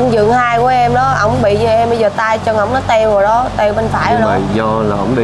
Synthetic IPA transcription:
ŋ͡mzɨ̰˧˨əŋhaː˧jku˧˩əʔɛ˧mɗɔ˨˦ʔə̰˧˩wŋ͡mɓḭ˧˨ɲɨ˧˩ʔɛ˧mɓə˧jzəː˨˩t̪aː˧jt͡ɕɔ˧ŋə˨˧˩wŋ͡mnɔ˨˦t̪ɛ˧wɔ˨˩ɗɔ˨˦t̪ɛ˧wɓə˧nfaː˧˩ja˨˦˩z̰zɔ˧la˨˩hə̰˧˦wŋ͡mɗi˧

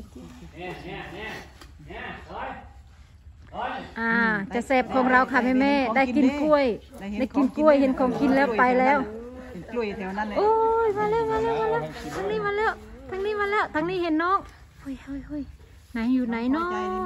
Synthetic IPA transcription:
ʔaː˧˩t͡ɕa˨˧˩sɛː˧˩p̚kʰɔː˨˦ŋɾa˧wkʰaː˧˩mɛː˧˨mɛː˧˥˨da˧˥˩ki˧nku˧˩əja˥˩˨ki˧˦nku˧˩əjhe˨˧˦nkʰɔː˨˦ŋkʰi˧˦nlɛː˧˩wpa˧jlɛː˧˥˩w | ʔo˧jmaː˧lɛː˧˥˨wmaː˧˥lɛː˧˥˩wmaː˧˥lɛː˥˩wt̪ʰaː˧ŋniː˧˥˨maː˧˨lɛː˧˥˩wt̪ʰaː˧ŋniː˧˥˨maː˧˥nlɛː˧˥˩wt̪ʰaː˧ŋniː˥˩˨he˧˦nːɔː˥˨k̚ | ho˧˩jo˧˩jho˧˩˨j | na˨˦jːuː˧˩na˨˧˦jnɔː˥

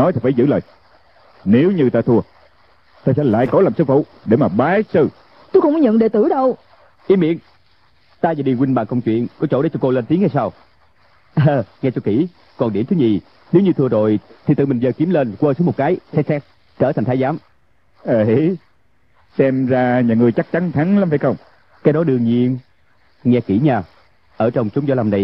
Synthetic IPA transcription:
ɔ˨˦jt̪ʰi˨˩faː˧˩jzɨ̰˧˥ləː˨˩j | ne˨˦wɲɨ˧t̪aː˧t̪ʰu˧ə | t̪aː˧sɛ̰˧˥la̰ː˧˨jkɔ˨˦laː˨˩msɨ˧k̚fṵ˧˨ | ɗe˧˩maː˨˩ɓaː˨˦sɨ˧ | t̪u˧xə˧wŋ͡mkɔ˨˦ɲə̰˧˨nɗe˧˦t̪ɨ˧˩˦ɗə˧w | ʔi˧˦mḭ˧˨ən | t̪aː˧vaː˨˩ɗi˨˩kwi˧ŋ̟ɓa̰ː˨ŋkə˧wŋ͡mt͡ɕwḭ˧˨ənkɔ˨˦t͡ɕo̰˧˥˩ɗe˧˦t͡ɕɔ˧ko˧le˧nt̪i˨˦ha˧jsaː˧w | əː˧ŋɛ˧t͡ɕo˧˩ki˧˩ | kɔ˨˩nɗi˧˩mt̪ʰɨ˨˦ɲi˨˩ | ni˨˦wŋ͡mɲɨ˧t̪ʰɨ˧əzo˨˩jt̪ʰi˨˩ɨ̰˨˩mi˨˩ŋ̟zəː˨˩ki˨˦əmle˧nkwəː˧˩sɨ˨˦mo˨˩kaː˨˦jsɛ˧˥sɛ˦˥t̚ | t͡ɕəː˧˩t̪ʰjŋt̪ʰːjzaː˨˦m | ʔə˨˧˩ | sɛ˧mzaː˧ɲaː˨˩ŋɨ˨˩əjt͡ɕa˦˥k̚t͡ɕa˨˦nt̪ʰa˨˦nlaː˨˦mfaː˧˩jxə˧wŋ͡m | kaː˨˦jɗɔ˨˦ɗɨ˧əŋɲi˧ən | ŋɛ˧ki˧˩ɲaː˨˩ | ʔəː˧˩t͡ɕə˧wŋ͡mt͡ɕʊ˨˦ŋ͡mzɔ˧˨˦la˧mna˧j

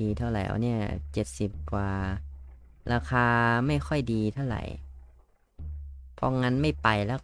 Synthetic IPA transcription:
iː˧t̪ʰa˧˥˩wɾa˨˩˦jʔa̰˧˩˦ni˥˩ɐt͡ɕe˨˩t̪̚si˨˩p̚kwaː˧ | ɾʔaː˧kʰaː˧ma˥˩jkʰɔ˥˩jdiː˧t̪ʰa˥˩wɾa̰˨˩j | pʰɔ̰˧˥ŋa˧˥nma˥˩jpa˨jlɛ˦˥

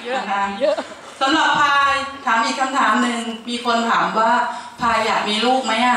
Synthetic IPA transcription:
a˧n | sa˨˦mɾa˨˩pʰːaː˧t̪ʰaː˩˦mʔiː˨˩kʰːa˧mt̪ʰaː˩˦mnɯ˨˧ŋmiː˧kʰo˧nt̪ʰaː˩˦mwaː˥˩pʰaː˧jaː˨˩k̚miː˧luː˥˩k̚ma˦˥jʔa˧˩

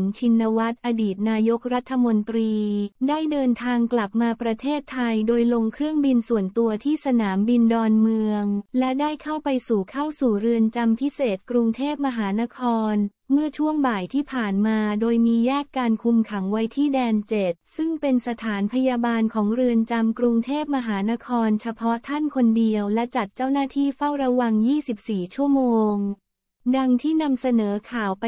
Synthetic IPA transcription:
ŋt͡ɕʰi˧nːa˧wa˦˥t̪̚ʔa˧diː˨˩t̪̚naː˧jo˦˥k̚ɾa˦˥t̪ʰːa˧mo˧nt̪ɾiː˧daː˥˩jdɤː˧nt̪ʰaː˧ŋkla˨˩p̚maː˧pɾa˧t̪ʰeː˥˩t̪ʰːa˧jdoː˧jlo˧ŋkʰɾɯ˥˩əŋbi˧nsu˨˩ənt̪u˧ɐt̪ʰiː˥˩sa˧naː˩˦mbi˧ndɔː˧nmɯ˧əŋlɛ˦˥daː˥˩jkʰa˥˩wpa˧jsuː˨˩kʰa˥˩wsuː˨˩ɾɯ˧ənt͡ɕa˧mpʰi˦˥seː˨˩t̪̚kɾu˧ŋt̪ʰeː˥˩p̚ma˧ɦaː˩˦na˦˥kʰɔː˧n | mɯ˥˩ət͡ɕʰu˥˩əŋbaː˨˩jt̪ʰiː˥˩pʰaː˨˩nmaː˧doː˧jmiː˧jɛː˥˩kːaː˧nkʰu˧mkʰa˩˦ŋwa˦˥jt̪ʰiː˥˩dɛː˧nt͡ɕe˨˩t̪̚sɯ˥˩ŋpe˧nsa˧t̪ʰaː˩˦npʰa˧jaː˧baː˧nkʰɔː˩˦ŋɾɯ˧ənt͡ɕa˧mkɾu˧ŋt̪ʰeː˥˩p̚ma˧ɦaː˩˦na˦˥kʰɔː˧nt͡ɕʰa˧pʰɔ˦˥t̪ʰa˥˩nkʰo˧ndi˧əwlɛ˦˥t͡ɕa˨˩t̪̚t͡ɕaː˥˩wnaː˥˩t̪ʰiː˥˩fa˥˩wɾa˧wa˧ŋjiː˥˩si˨˩p̚siː˨˩t͡ɕʰu˥˩əmoː˧ŋ | da˧ŋt̪ʰiː˥˩na˧msa˧nɤː˩˦kʰaː˨˩wp

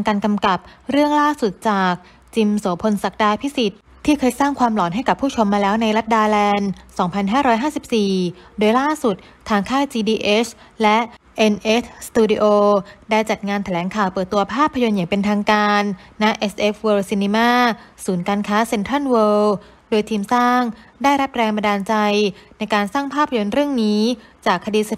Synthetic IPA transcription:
ŋkaː˧nka˧mka˨˩p̚ɾɯ˥˩əŋlaː˥˩su˨˩t̪̚t͡ɕaː˨˩k̚ | t͡ɕi˧mso˩˦pʰo˧nsa˨˩k̚daː˧pʰi˦˥si˨˩t̪̚ | t̪ʰːiː˥˩kʰɤː˧jsaː˥˩ŋkʰwaː˧mlɔː˩˦nɦa˥˩jka˨˩pʰːuː˥˩t͡ɕʰo˧mːaː˧lɛː˦˥wna˧jɾa˦˥t̪̚daː˧lɛː˧nsɔː˩˦ŋpʰa˧nɦaː˥˩ɾɔː˦˥jɦaː˥˩si˨˩p̚siː˨˩doː˧jlaː˥˩su˨˩t̪̚ʰːaː˧ŋkʰaː˥˩t͡ɕiː˧diː˧ʔe˦˥s | lɛ˦˥ʔe˧nʔe˦˥st̪uː˧di˧ʔoː˧daː˥˩jt͡ɕa˨˩t̪̚ŋaː˧nt̪ʰa˧lɛː˩˦ŋkʰaː˨˩wpɤː˨˩t̪ːu˧ɐpʰaː˥˩pʰːa˧jo˧njaː˨˩ŋpe˧nt̪ʰaː˧ŋkaː˧nːa˦˥ʔe˦˥sʔe˦˥fwəː˧wsiː˧ni˧maː˥˩suː˩˦nkaː˧nkʰaː˦˥se˧nt̪ʰa˥˩nweː˧ | doː˧jt̪ʰiː˧msaː˥˩ŋdaː˥˩jɾa˦˥p̚ɾɛː˧ŋba˧daː˧nt͡ɕa˧jna˧jkaː˧nsaː˥˩ŋpʰaː˥˩pʰːa˧jo˧nɾɯ˥˩əŋniː˦˥t͡ɕaː˨˩kʰːa˧diː˧sa˧˩

